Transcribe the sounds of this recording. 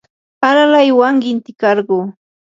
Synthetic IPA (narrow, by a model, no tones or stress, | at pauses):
alalajwaŋkɪnt̪ɪkɑɾɢuː